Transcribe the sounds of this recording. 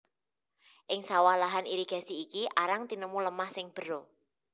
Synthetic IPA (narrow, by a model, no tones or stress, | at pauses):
ʔɪŋsawalaɦaniɾiɡ̥a̤siːkiʔaɾaŋt̪inəmuləmahsɪŋb̥ə̤ɾo